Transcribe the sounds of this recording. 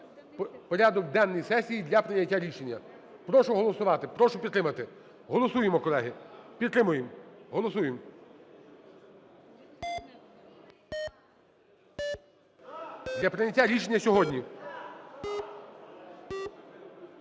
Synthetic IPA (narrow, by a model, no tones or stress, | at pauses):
pɔɾʲad̪ɔkd̪ɛnːɪjsɛsʲijid̪lʲɐpɾɪjɐtʲːaɾʲiʃenʲːɐ | pɾɔʃʊɦɔlˠɔsʊʋɑt̪ɪpɾɔʃʊpʲid̪t̪ːɾɪmɐt̪ɪ | ɦɔlˠɔsujemɔkɔlˠɛɦipʲid̪t̪ːɾɪmʊjemɦɔlˠɔsujem | d̪lʲɐpɾɪjɐtʲːaɾʲiʃenʲːɐsʲɔɦɔdʲnʲi